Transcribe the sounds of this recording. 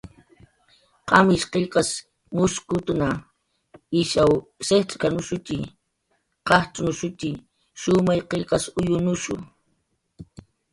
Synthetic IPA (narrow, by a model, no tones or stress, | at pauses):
qɑmɪʃqeʎqɑs | mʊskʊt̪ʊna | ɪʃawset̪ʼkanʊʃʊt̪ɪ | qɑht͡ʃʼʊnʊʃʊt̪i | ʃʊmajqeʎqɑsʊjʊnʊʃʊ̰